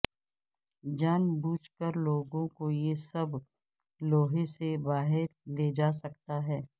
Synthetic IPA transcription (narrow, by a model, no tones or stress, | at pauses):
d͡ʒaːnbuːt͡ʃkəɾloːɡõkojesɐb | loːɦesebaːɦɪɾled͡ʒaːsɐkt̪aɦɛː